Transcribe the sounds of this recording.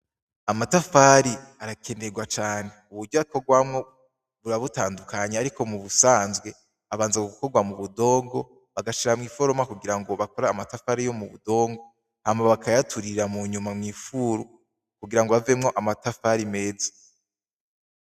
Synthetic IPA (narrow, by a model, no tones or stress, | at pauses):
amatafaɾiaɾakʰe̞ne̞ɡwat͡ʃaːne̞uβuɾɟoako̞ɡwamŋo̞ | βuɾaβutaːndukʰaɲeaɾiko̞muβusaːnzɡwe̞ | aβaːnzakoɡuko̞ɡwamuβudo̞ːŋɡo̞ | βaɡaʃiɾamŋiːfo̞ɾo̞makuɡiɾaŋɡo̞βako̞ɾaːmatafaɾijo̞muβṵdo̞ːŋɡo | haːmaaβakajatʰuɾiɾamuɲumamŋiːfuɾu | kuɡiɾaŋɡoave̞mŋo̞ʔamatafaɾime̞ːd͡zi̥